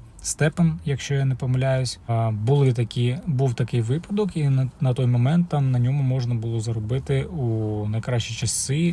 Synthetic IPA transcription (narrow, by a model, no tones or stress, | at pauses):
st̪ɛpɐnjɐkʃt͡ʃɔjanɛpɔmɐlʲajʊsʲbʊlˠɪt̪ɐkʲibuwt̪ɐkɪjʋɪpɐd̪ɔkinɐt̪ɔjmɔmɛnt̪ːɑmnɐnʲɔmʊmɔʒnɐbʊlˠɔzɐɾɔbɪt̪ɪunɐjkɾɑt͡ʃit͡ʃɐsɪ